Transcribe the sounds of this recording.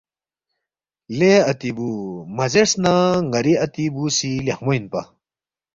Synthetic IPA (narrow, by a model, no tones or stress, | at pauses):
leɐt̪ibumɐzeɾsnaŋɡɐɾiɐt̪ibusilehmoinpɐ̰